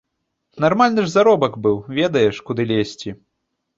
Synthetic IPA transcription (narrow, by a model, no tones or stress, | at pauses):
narmalʲnɨʐzaɾɔbɐkbɨwvʲɛd̪ɐjɛʂkud̪ɨlʲesʲt͡sʲi